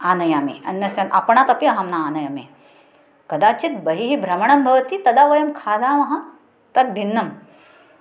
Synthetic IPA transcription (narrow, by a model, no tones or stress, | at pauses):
aːnɐjaːmḛːɐ̰nːɐsjɐnʔa̰pɐɳ̃aːt̪ɐpiɐɦɐmnaːnɐjɐmḛ | kɐd̪aːt͡ʃit̪̚bɐɦiɦibʱɾɐmɐɳ̃ɐmbʱɐʋɐt̪it̪ɐd̪aːʋɐjɐmkʰaːd̪aːmɐɦɐ | t̪ɐɾ̚bʱinːɐm